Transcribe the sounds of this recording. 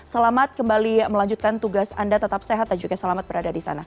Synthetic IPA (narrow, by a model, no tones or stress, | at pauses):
səlamat̪̚kəmbaliməlaɲd͡ʒut̪̚kant̪uɡasa̰ndat̪ət̪ap̚seɦat̪̚dand͡ʒuɡasəlamat̪̚bəɾadadisa̰na